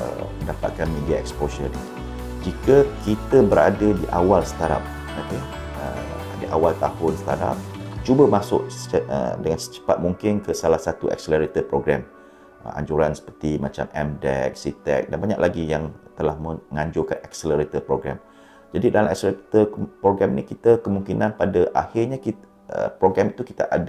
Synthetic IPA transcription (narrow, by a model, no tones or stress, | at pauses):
ə̰məndapa̰t̪̚kanmediaɛksposən | d͡ʒikəkit̪əbəɾa̰dadiʔa̰walsə̥t̪aɾa̰p̚ | ape | ə̰ | diʔawalt̪ahʊnsə̥t̪a̰ɾa̰p̚t͡ʃubəmasʊʔə̰dəŋansə̥t͡ʃə̥pat̪̚muŋkɪnkəsalahsat̪uɛ̰k̚sələɾit̪əpɾoɡɾam | əʔa̰ɲd͡ʒuɾansə̥pərt̪imat͡ʃa̰mɛmdɛ̰k̚sit̪ɛ̰k̚danbaɲa̰ʔlaɡijaŋt̪əlahməŋaɲd͡ʒʊrkanɛksələɾit̪əpɾoɡɾa̰m | d͡ʒadidalamɛ̰k̚səlɾit̪əpɾoɡɾamnikit̪akəmũŋkinãnpadaʔa̰hɪrɲaki | ə̰pɾoɡɾɛmit̪uki̥t̪aʔada